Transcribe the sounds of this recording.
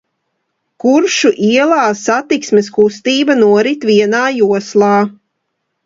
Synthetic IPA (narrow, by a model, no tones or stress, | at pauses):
kuɾʃuʔiɛlˠaːsat̪iksmeskust̪iːbanuɔɾit̪viɛnaːjuɔslˠɑː